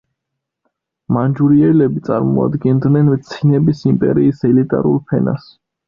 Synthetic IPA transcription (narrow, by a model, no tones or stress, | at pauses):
mand͡ʒuɾiɛlɛbit̪sʼaɾmɔa̰d̪ɡɛnd̪nɛnt̪sʰinɛbisimpʼɛ̰ɾiːsɛlit̪ʼa̰ɾṵlˠpʰɛna̰s